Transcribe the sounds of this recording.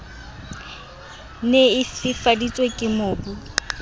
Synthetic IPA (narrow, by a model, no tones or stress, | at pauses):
neɪsɪfadit͡sʼwekʼɪmʊːbu